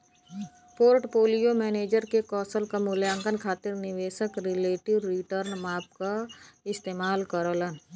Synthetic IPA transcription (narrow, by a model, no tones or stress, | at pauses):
poːɾʈpoːlijomɛːneːd͡ʒəɾkekɔːsəlkamʊljãːŋkənkʰaːt̪ɪɾnɪʋeːʃəkɾɪleːʈɪʋɾɪʈəɾnmaːp̚kaɪst̪eːmaːlkəɾələn